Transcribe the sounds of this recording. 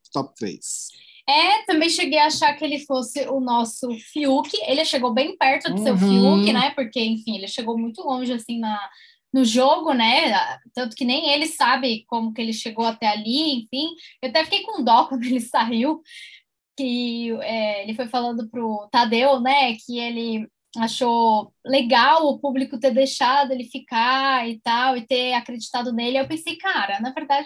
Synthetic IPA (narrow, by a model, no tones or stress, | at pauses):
t̪ɔp̚t̪ɾḛjs | ɛt̪ɐ̃mbẽj̃ʃeɡejaaʃaɾkɪelɪfosɪʔʊnɔsʊfiukɪelɪʃeɡowbẽj̃pɛɾt̪ʊd̪ʊsewfiukɪnɛpoɾkeẽfĩelɪʃeɡowmũj̃t̪ʊlõʒɪasĩnɐ | nʊʒoɡʊnɛat̪ɐ̃nt̪ʊkɪnẽj̃elɪsabɪkõmʊkɪelɪʃeɡowat̪ɛaliẽfĩewat̪ɛfi̥kejkõũd̪ɔkɐ̃nd̪ʊelɪsaiw | kɪɛelɪfojfalɐ̃d̪ʊpɾʊt̪ad̪ewnɛkʰɪelɪ | aʃoleɡawʊpublikʊt̪eɾd̪ejʃad̪ʊelɪfikaɪt̪awɪt̪eakɾed͡ʒit̪ad̪ʊnelɪewpẽsejkaɾɐnɐveɾd̪ad͡ʒɪ